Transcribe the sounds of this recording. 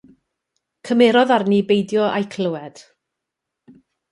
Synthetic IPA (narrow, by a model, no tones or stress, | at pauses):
kʰəmeɾɔðarnibejdjɔʔajkʰləwɛd̥